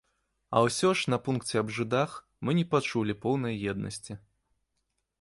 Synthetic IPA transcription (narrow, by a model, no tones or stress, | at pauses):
ɐ̰wsʲɔʂnɐpunkt͡sʲɛɐbʐɨd̪ax | mɨnʲɛpat͡ʂulʲipɔwnɐjjɛd̪̚nʔɐ̰sʲt͡sʲi